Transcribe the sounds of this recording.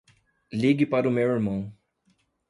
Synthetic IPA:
liɡɪpaɾʊmewiɾmɐ̃w̃

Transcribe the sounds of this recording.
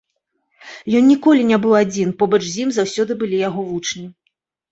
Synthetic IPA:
jɔnnʲikɔlʲinʲabɨwˠad͡zʲinpɔbɐt͡ʂzʲimzawsʲɔd̪ɨbɨlʲijaɣɔvut͡ʂnʲi

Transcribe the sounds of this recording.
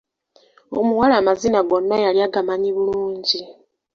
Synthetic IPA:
o̰muwalaːmazinaɡonːajaljaɡamaɲiβuluːɲɟi

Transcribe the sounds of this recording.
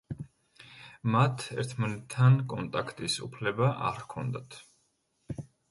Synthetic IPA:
mat̪ʰɛ̰ɾt̪ʰmanɛt̪ʰːankʼɔnt̪ʼakʰt̪ʼisṵpʰlɛbaʔa̰ɾkʰɔnd̪at̪ʰ

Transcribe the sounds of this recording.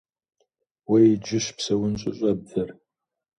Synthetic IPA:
wɐjɪd͡ʒɪɕpsɐwʊnɕʼɪ̰ɕʼɐb̚dɐr

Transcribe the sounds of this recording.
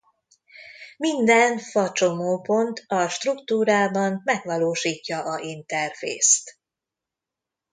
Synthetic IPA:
mind̪ɛnfɒt͡ʃo̞moːpo̞nt̪ʰɒʃt̪rukt̪uːɾaːbɒnmɛɡʋɒloːʃiːcːɒʔɒint̪ɛrfḛːst̪

